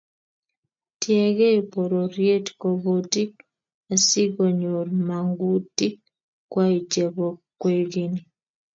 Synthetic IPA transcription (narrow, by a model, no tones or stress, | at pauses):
tjeɣeipoɾoɾjeti̥koβoti | asiɡoɲoɾimaŋɡuti | kwait͡ʃeβokweɡini